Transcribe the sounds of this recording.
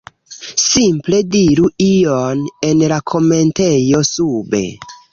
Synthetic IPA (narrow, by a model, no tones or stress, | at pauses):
simple̞diɾuione̞nlakʰo̞me̞ntejo̞sube̞̰